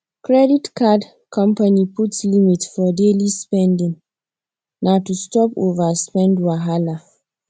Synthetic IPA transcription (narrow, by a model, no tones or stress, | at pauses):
kɹɛditkad | kʰɔ̃mpaniputslimitsfɔdelispɛ̃ndĩŋ | natustɔpovaspɛ̃ndwaɦala